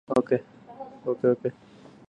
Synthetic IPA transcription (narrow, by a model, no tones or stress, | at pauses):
oːkeːoːkeːoːkeː